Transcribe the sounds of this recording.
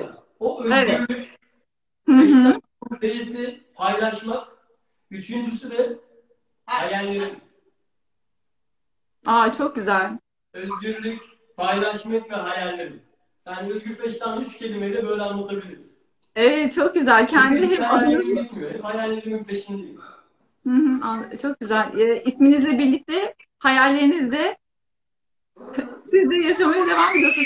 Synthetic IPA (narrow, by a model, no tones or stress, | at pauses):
a̰ | oøeyɾlʲyc | hɯɦ̩ | nd̪ejisi | pʰajlˠaʃmak | yt͡ʃʰynd͡ʒysyd̪ɛ | hajælʲːeɾim | at͡ʃʰo̞k̚ɟyzælʲ | øzɟyɾlʲyc | pʰajlˠaʃmakvɛɦajælʲːeɾim | jaːnøzɟyɾfʰɛʃt̪ʲanyt͡ʃcʰe̞lʲimejd̪ɛbø̞jlʲɛanlːˠat̪ʰabilʲiɾz | evɛt̪̚t͡ʃʰok̚ɟyzælʲcʰænd̪iɦɛpaimimihɛphajalʲːeɾimyt̪ʰeʃind̪iil | hɯ̃h̩at͡ʃʰo̞k̚ɟyzælʲɛːʔisminizlʲɛbiɾlʲːic̚t̪ʰɛ | hajalʲːeinizd̪ɛ | sizd̪ɛjaʃamajad̪e̞vaːme̞d̪iosu